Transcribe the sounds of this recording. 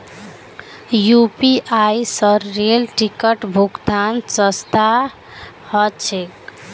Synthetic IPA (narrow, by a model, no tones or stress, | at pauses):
jupiʔajsʌɾːelʈikʌʈbʱukd̪ansʌst̪a | hʌt͡ʃʰek